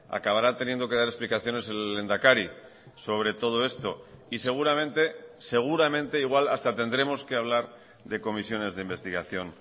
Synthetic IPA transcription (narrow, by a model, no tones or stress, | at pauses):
a̰kaβaɾat̪e̞nje̞nd̪o̞ke̞ð̞aɾe̞splikaθjo̞ne̞se̞lːe̞nd̪akaɾi | so̞β̞ɾe̞t̪o̞ð̞o̞e̞st̪o̞ise̞ɣ̞uɾamẽ̞nt̪e̞se̞ɣ̞uɾamẽ̞nt̪e̞iɣwalast̪at̪e̞nd̪ɾe̞mo̞ske̞aβ̞laɾ | ðe̞ko̞misjo̞ne̞zðeimbe̞st̪iɣ̞aθjo̞n